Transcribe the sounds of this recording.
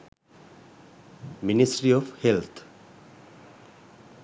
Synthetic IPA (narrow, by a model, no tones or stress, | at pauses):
minisʈɾiɔfhelt̪ʰ